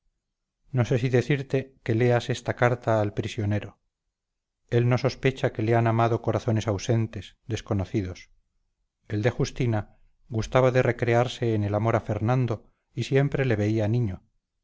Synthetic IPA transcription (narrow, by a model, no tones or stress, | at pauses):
no̞se̞siðe̞θiɾt̪e̞ke̞le̞ase̞st̪akaɾt̪aːlpɾisjoneɾo | e̞lno̞so̞spet͡ʃake̞leanamaðo̞ko̞ɾaθo̞ne̞sawsent̪e̞sd̪e̞sko̞noθiðo̞s | e̞ld̪e̞xust̪ina | ɡust̪aβaðe̞re̞kɾe̞aɾse̞ːnelamo̞ɾafe̞ɾnãnd̪o̞ | isje̞mpɾe̞le̞β̞e̞ianiɲo